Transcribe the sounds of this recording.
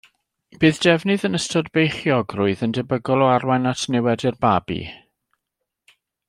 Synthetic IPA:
b̥ɨːðd̥ɛvnɨðənəstʰɔdbejχjɔɡrʊɨðəndɛbəɡɔlˠɔarwanatʰnɛwɛdɪrbabḭ

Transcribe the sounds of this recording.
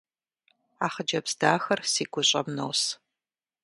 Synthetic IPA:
aːχəd͡ʒɐbzdaːxɐrsiːɡʷʊɕʼɐmnɐws

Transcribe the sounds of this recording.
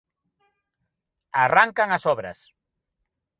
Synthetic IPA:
araŋkaŋasɔβɾɐ̰s

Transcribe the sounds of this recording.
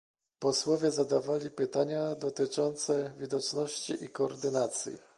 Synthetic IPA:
pɔswɔvʲjɛzad̪avalʲipɘt̪aɲad̪ɔt̪ɘt͡ʂɔnt̪sɛvʲid̪ɔt͡ʂnɔɕt͡ɕiʔikɔːɾd̪ɘnat̪sʲjḭ

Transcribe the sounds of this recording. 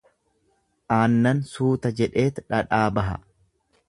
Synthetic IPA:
ʔaːnːɐnsuːt̪ɐd͡ʒɛᶑe̞ːt̪ᶑɐᶑaːbɐɦɐ̰

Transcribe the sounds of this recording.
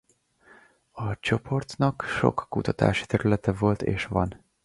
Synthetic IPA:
ɒt͡ʃo̞pʰo̞rt̪nɒkʃo̰kːut̪ɒt̪a̰ːʃi̥t̪ɛɾylɛt̪ɛvo̞lt̪ḛːʃʋɒn

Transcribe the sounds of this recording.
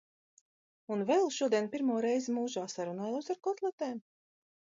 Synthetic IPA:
unvɛlˠʃuɔd̪iɛnpʲiɾmuɔɾɛjzimuːʒaːsaɾunaːjlawsaɾkɔɾt̪lˠɛt̪ɛːm

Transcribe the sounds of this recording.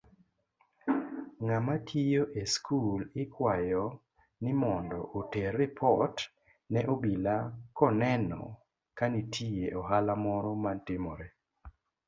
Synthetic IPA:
ŋamatʰijoʔeskʰulɪkwajɔ | nɪmɔndɔʔoteɾɛpʰɔt | nɛʔobilakɔnɛnɔ̰ | kanitʰijeʔɔɦalamɔɾɔmantɪmɔɾe

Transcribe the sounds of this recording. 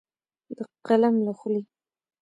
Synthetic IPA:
d̪əqalamlaxli

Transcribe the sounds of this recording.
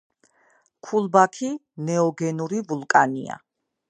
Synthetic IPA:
kʰulˠbakʰi | nɛɔɡɛnuɾivulˠkʼanḭa̰

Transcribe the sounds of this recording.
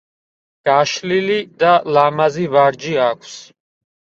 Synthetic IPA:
ɡ̥aʃlilid̪alamazivaɾd͡ʒiakʰs

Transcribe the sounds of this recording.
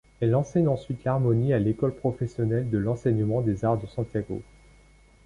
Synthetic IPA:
ɛlɑ̃sɛɲɑ̃sɥit̪laʁmɔnialekɔlpχɔfɛsjɔnɛld̪əlɑ̃sɛɲəmɑ̃d̪ezaʁd̪əsɑ̃t̪jaɡo̰

